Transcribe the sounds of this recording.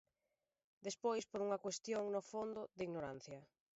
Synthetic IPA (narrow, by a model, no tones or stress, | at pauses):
d̪espojspoɾuŋɐkwest̪joŋnofond̪ʊd̪iɣnoɾan̟θjɐ